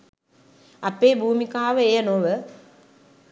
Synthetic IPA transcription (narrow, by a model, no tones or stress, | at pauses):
ɐpeːbʱuːmikaːʋəejənoʋə